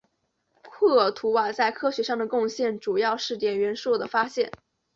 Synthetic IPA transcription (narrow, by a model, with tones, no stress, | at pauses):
kʰwɤ˥˩t̪ʰu˧˥wa˨˩t͡sa˥˩ɪkʰɤ˥ɕɥɛ˧˥ʂɑ˥˩ŋd̪ə˩kʊ˥˧ŋɕjɛ˥˩nʈ͡ʂu˨˩jɑ˥˧ʊʂɻ̩˥˩t̪jɛ˨˩nɥɛ˧˥nʂwɔ˥˩d̪ə˩fa˥ɕjɛ˥˩n